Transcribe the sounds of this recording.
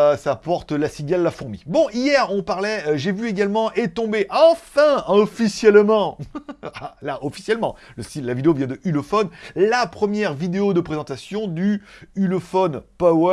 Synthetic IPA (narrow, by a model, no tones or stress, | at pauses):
sapɔʁt̪lasiɡalːafuʁmḭbɔ̃ijɛʁɔ̃paʁlɛʒevyeɡalmɑ̃ʔet̪ɔ̃beʔɑ̃fɛ̃ɔfisjɛlmɑ̃alaʔɔfi̥sjɛlmɑ̃ləsilavid̪eovjɛ̃d̪əʔylofɔnlapχəmjɛʁvid̪eod̪əpχezɑ̃t̪asjɔ̃d̪yylofɔnpaw